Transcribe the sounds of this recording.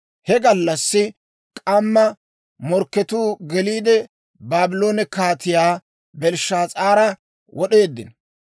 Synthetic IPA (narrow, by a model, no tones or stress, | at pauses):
hɛɡɐlːɐsːɪ | kʼɐmːɐ | mɔɾkːɛt̪uːɡɛliːd̪ɛ | baːbɪlo̞ːnɛkaːt̪ɪjaː | bɛlʃːaːt͡sʼaːɾɐ | wʔɔɗe̞ːd̪ːɪn